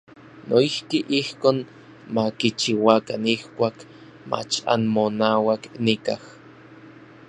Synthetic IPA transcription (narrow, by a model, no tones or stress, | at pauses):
noihkiʔihkoːn | makit͡ʃiwakanihkʷaːk | ma̰t͡ʃa̰nmonaːwaknikah